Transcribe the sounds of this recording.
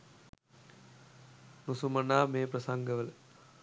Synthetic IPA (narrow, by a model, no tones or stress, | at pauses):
nusumɐnaːmeːpɾɐsɐŋɡɐʋɐl